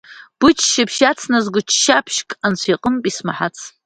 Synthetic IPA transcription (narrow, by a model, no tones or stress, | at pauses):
b̥ʊt͡ʃʰʼʃɪpʰʃat͡sʰnazɡʷʊt͡ʃʰʃapʰʃkʼant͡ʃʷʰiqʼənpʼismaħat͡sʰ